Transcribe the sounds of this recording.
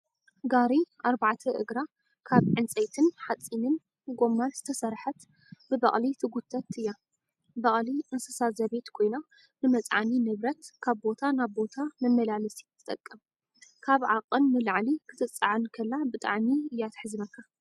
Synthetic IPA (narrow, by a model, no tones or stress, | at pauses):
ɡaɾiʔaɾbaʕt̪ʰɐʔɨ̰ɡɾa | kʰaβʕɨnt͡sʼɐjt̪ʰɨnħat͡sʼːinɨn | ɡo̞mːanz̥ɨt̪ʰɐsɐɾħɐt̪ | bɨbɐ̰χʼlit̪ʰɨɡut̪ʰːɐt̪ɨjːa | bɐχʼliʔɨnsɐsazɐβe̞t̪kʰo̞jna | nɨmɐt͡sʼʕa̰ninɨβɾɐt̪kʰaβbo̞t̪ʰanaβbo̞t̪ʰamɐmːɐlalɐsi̥t̪ʰɨ̥t̪ʼɐkʼːɐm | kʰaβʕaqʼːɨnmɨlaʕlikʰɨ̥t̪ʰɨt͡sʼːaʕankʰɐlːabɨt̪ʼa̰ʕmiɨjːat̪ħɨzɨnɐkʰːa